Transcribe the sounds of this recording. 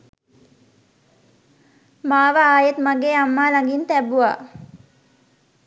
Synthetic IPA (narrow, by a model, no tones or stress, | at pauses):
maːʋəaːjet̪maɡeːamːaːlaŋɡint̪æbuʋa̰ː